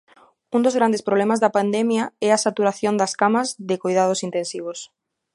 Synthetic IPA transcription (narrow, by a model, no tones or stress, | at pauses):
und̪ozɣɾand̪espɾoβlɛmazðɐpand̪ɛmjaɛasat̪uɾaθjond̪ɐskamɐzðɪkojðað̞osint̪ẽnsiβ̞os